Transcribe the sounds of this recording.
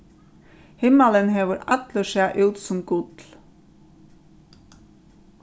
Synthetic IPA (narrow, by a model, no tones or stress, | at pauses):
hɪmələnheːʋəɾʔɑt̪ləʃeːʔʉːt̪sɔmɡʊt̪l̩